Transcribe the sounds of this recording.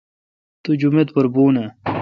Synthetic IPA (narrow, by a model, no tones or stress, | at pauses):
t̪ud͡ʑumet̪pɐɾbuːna